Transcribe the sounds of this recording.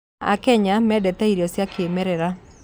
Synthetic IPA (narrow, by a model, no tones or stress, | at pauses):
a̰kɛɲamɛdɛt̪aiɾjɔsjakemɛɾɛɾa